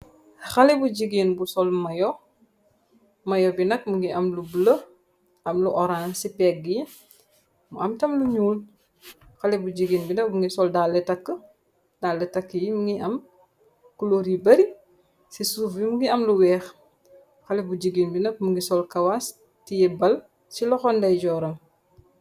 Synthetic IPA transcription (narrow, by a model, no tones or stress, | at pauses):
xɐlɛbuɟiɡinbusɔlmɐjɔ | mɐjɔbinɐk̚muŋɡiʔɐmlublə | ʔɐmluʔɔɾansipɛːk̚ɡi | muɐmtɐmluɲuːl | xɐlɛbud͡ʒiɡiːnbinɐk̚buŋɡisɔldaːlːətɐkːə | daːlːətɐkːəjimuŋɡiɐm | kuloɾibɐɾi | sisuːfbimuŋɡiɐmluwɛːx | xɐlɛbud͡ʒiɡinbinɐk̚muŋɡisɔlkɐwas | tijɛbɐl | silɔxɔndɐjɟɔɾɐm